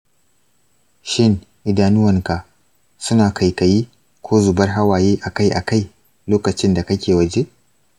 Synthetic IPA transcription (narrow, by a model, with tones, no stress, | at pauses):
ʃɪ˦˨n | ʔɪ˨daː˦nʊ˦wɐ˨ŋka˨ | sʊ˦naː˨kʰa˨jkɐ˨jiː˦ | kʰʷoː˦zu˨bɐ˦rɦa˦waː˨jeː˦ʔa˨ka˦jʔa˨ka˦˨j | loː˦kɐ˨t͡ʃɪ˦nda˨kɐ˦kʲeː˨wɐ˨d͡ʒe˦